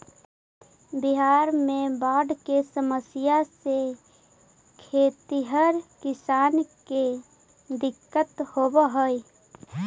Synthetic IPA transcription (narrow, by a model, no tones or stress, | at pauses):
bɪɦaːɾmẽbaːɖkesəməsɪjase | kʰeːt̪iɦəɾkɪsaːnke | d̪ɪkːət̪hoːbɦoi